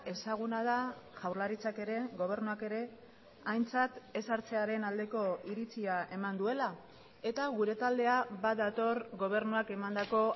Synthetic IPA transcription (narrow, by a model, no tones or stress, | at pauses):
e̞saɣ̞unað̞aʝawrlaɾit͡sake̞ɾe̞ɣo̞β̞e̞ɾnuake̞ɾe̞ | ajnt͡sat̪e̞saɾt͡se̞aɾe̞nald̪e̞ko̞iɾit͡siaʔe̞mand̪ue̞la | e̞t̪aɣuɾe̞t̪ald̪e̞aβaðat̪o̞ɾɣo̞β̞e̞ɾnuake̞mand̪ako̞